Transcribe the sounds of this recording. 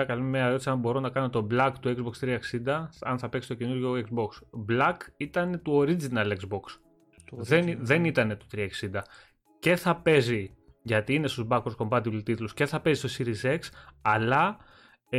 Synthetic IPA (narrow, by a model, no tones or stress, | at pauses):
ɐkɐlumeɐɾot̪i̥sɐmbo̞ɾo̞nɐkɐno̞t̪o̞blɐkt̪uekzbo̞kst̪ɾiɐeksind̪ɐɐnθɐpeksi̥t̪cenuɾʝo̞ekzbo̞ksblɐkit̪ɐne̞t̪uo̞ɾid͡zinɐlekzbo̞ks | ðenðe̞nit̪ɐne̞t̪u̥t̪ɾiɐeksind̪ɐ | ce̞θɐpe̞zi | ʝɐt̪iːnest̪ozbɐkoɾosko̞mbɐt̪̬ilit̪it̪lusce̞θɐpe̞zist̪osiɾize̞ksɐlɐ